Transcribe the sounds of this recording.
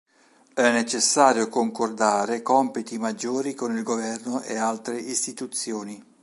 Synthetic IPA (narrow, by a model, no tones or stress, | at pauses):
ɛnːet͡ʃesːaːɾjokoŋkord̪aːɾekɔmpit̪imad͡ʒːoːɾikonilɡovɛrnʊʔḛalt̪ɾeist̪it̪ut̪sːjoːni